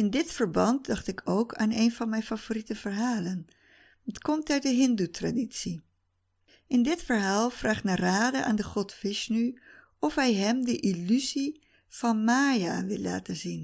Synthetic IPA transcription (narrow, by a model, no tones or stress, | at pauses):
ɪndɪtfəɹbɑnt̚dɑχtɪkʰowkʰa̰ːnejnvɑnmɛjnfavoritəvəɹɦaːlən | ɑtkɔmtœɥt̚dəɦɪndutraditsi | ɪndɪtfəɹɦaːlˠfraːχtnaraːdəʔa̰ːndəχɔtfɪʃny | ɔfɦɛjɦɛmdəʔilyzi | v̥ɑnmaːjaʋɪlːa̰ːtəzin